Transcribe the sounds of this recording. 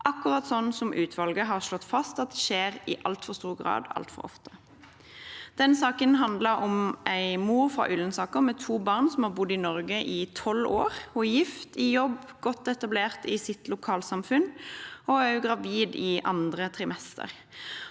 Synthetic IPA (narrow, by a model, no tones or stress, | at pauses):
ʔɑkːʉʁɑt̪sɔnːsɔmʔʉːt̪ʰʋɑlɡəɦɑʁʂlɔt̪ːfɑst̪ɑt̪̚d̪ɛʃeːʁɪʔɑ̰lt̪fɔʁst̪uːɡʁɑ̰ːd̪ɑ̰lt̪fɔ̰ʁɔ̰ft̪ə̥ | d̪̥ɛnsɑːkənɦɑnd̪ləʁɔmʔæɪmuːʁfʁɑ̰ʔʏlənsɑːkəʁmɛt̪ʰuːbɑʁnsɔmhɑːʁbʊd̪ːɪnɔʁɡəʔɪt̪ʰɔlo̰ːʁɔjɪft̪ɪjɔbːɡ̥ɔt̪ɛt̪ɑbleːʁt̪ɪsɪt̪lʊkʰɑːlsɑmfʉnɔæʉɡʁɑʋiːd̪ɪʔɑ̰nd̪ʁət̪ʰʁɪmɛst̪ʰə̰ʁ